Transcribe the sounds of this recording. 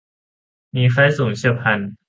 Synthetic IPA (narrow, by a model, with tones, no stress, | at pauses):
miː˧fa˦˥jsuː˨˩˦ŋt͡ɕɯ˥˩əpʰa˧n